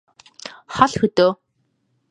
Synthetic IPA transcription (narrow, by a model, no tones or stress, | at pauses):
χɔɮxɵt̪oː